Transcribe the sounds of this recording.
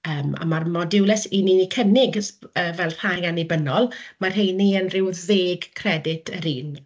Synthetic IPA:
əːma̰marmɔdɪwlɛsiniikʰənɪɡəːvɛlˠr̥ajɡanibənɔlˠmar̥ɦejniənrɪwðeːɡkʰrɛdɪtʰəɾiːn

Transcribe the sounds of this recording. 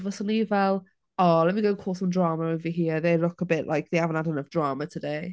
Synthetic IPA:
vɔsəniːvɛlˠ | ɔlɛmiɡəkʰoːlˠsɔmdraːməɹonviːɦiːðelʊkəbɪʔlʔajk̚ðiavɔnadənəfd̥raːmətʰədej

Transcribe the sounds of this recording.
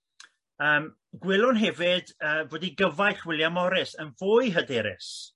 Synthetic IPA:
əːm | ɡwɪlˠʊnɦɛvɪdəːvoːdiɡəvajɬwɪlˠjamɔɾɪsənvʊːjɦədɛɾɪ̰s

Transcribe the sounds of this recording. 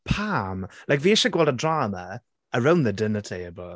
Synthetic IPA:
pʰamlajkviːɛʃəɡwɛlˠdədraːmə | əɹawnðədɪnətʰiəbɔ

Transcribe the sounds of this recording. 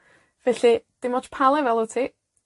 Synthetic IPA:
vɛɬid̥ɪmɔt͡ʃpʰalˠɛvɛlˠətʰiː

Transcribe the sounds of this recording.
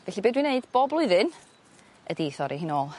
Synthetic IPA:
vɛɬibeːdwineɨdb̥oːblˠʊɨðɨn | ədeːθɔɾʔiɦɪnoːlˠ

